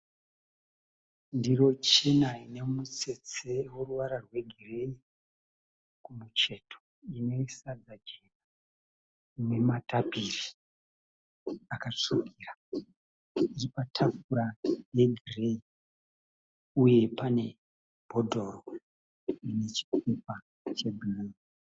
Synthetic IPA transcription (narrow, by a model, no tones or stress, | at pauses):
ndiro̞t͡ʃenaine̞mut͡se̞t͡seworuʋaɾarwe̞ɡʱire̞i | kumut͡ʃe̞tʰo | ino̞isad͡zad͡ʒe̞ka | nematapiri | akaʂukiːra | iripatʰafuɾane̞ɡʱirei | uje̞pane̞ | bʱo̞dʱo̞ro | ine̞t͡ʃi̥kupa | t͡ʃe̞bʱinii